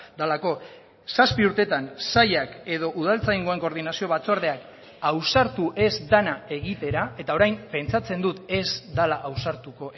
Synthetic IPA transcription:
d̪alako̞ | saspiuɾt̪e̞t̪ansajake̞ð̞o̞ʔuð̞alt͡saiŋɡo̞e̞ŋko̞ɾðinasio̞βat͡soaɾðeak | awsaɾt̪uʔe̞zd̪anae̞ɣit̪e̞ɾae̞t̪ao̞ɾajmpe̞nt͡sat͡se̞nd̪ut̪e̞zd̪alaʔawsaɾt̪uko̞

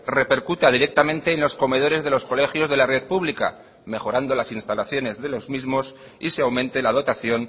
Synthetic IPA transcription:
re̞pe̞ɾkut̪aðiɾe̞k̚t̪amẽnt̪e̞ːnlo̞sko̞me̞ð̞o̞ɾe̞zðe̞lo̞sko̞le̞xjo̞zðe̞lare̞ðpuβlika̰ | me̞xo̞ɾand̪o̞lasinst̪alaθjo̞ne̞zðe̞lo̞zmizmo̞s | iseawmẽ̞nt̪elað̞o̞t̪aθjo̞n

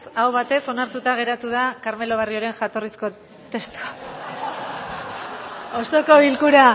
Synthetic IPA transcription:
sawβat̪e̞so̞naɾt̪ut̪aɣ̞e̞ɾat̪uðakaɾme̞lo̞βarioɾe̞nʝat̪o̞risko̞ | t̪e̞st̪u̥ | o̞so̞ko̞ilkuɾa

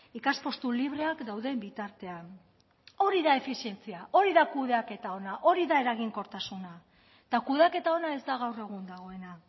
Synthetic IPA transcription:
ikaspo̞st̪uliβ̞ɾe̞akd̪awðe̞mbit̪aɾt̪e̞an | o̞ɾiðae̞fisie̞nt͡siaʔo̞ɾiðakuðeake̞t̪ao̞naʔo̞ɾiðae̞ɾaɣiŋko̞ɾt̪asuna | t̪akuðeake̞t̪ao̞nae̞zd̪aɣ̞awre̞ɣ̞und̪aɣ̞o̞e̞na

